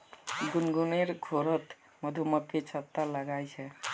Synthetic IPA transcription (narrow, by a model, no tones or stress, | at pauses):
ɡunɡuneɾɡʱoɾət̪ | məd̪ʱuməkket͡ʃʰət̪ːaləɡajt͡ʃʰɛ